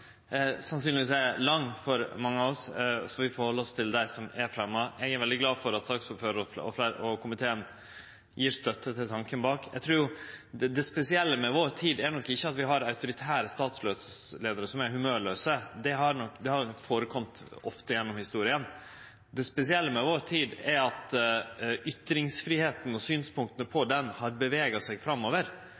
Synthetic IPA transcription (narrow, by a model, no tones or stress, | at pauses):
sɑnsyːnlɪʋiːs̬æɪlɑŋːfɔɾmɑŋːəɑɔssɔʋɪfɔɾhɔlːəɾɔst̪ʰɪld̪æɪsɔmɛɾfɾɑmːɑʔɛɡæɾʋɛld̪ɪɡlɑːdfɔɾɑt̪sɑːksɔføːəɔfɔ̰flæɔkʊmɪt̪ʰeːən | jiːɾst̪œt̪ːət̪ʰɪlt̪ʰɑŋkənbɑːkjæ̰ɡt̪ʰɾʉːjʊd̪ɛspɛsɪɛlːəmɛʋoːɾt̪ʰiːd̪æɳɔkːɪçːəɑt̪ʋɪɦɑɾɑʉt̪ʊɾɪt̪ʰæːɾəst̪ɑːt̪sløːd̪ssleːd̪əɾəsɔmæɾɦʉmøːɭøːsəd̪ɛɦɑɾnɔkːd̪ɛhɑɾnɔkːfoːɾəkʰɔmt̪ɔ̰ft̪əjɛnːɔmhɪst̪uːɾɪən | d̪ɛspɛsɪɛlːəmɛʋoːɾt̪ʰiːd̪æɾɑt̪ | ʏt̪ːɾɪŋsfɾiːheːt̪n̩ɔsyːnspʊŋkt̪ənəpʰɔd̪ɛnhɑɾbəʋeːɡɑsæɡfɾɑmːoːʋəɾ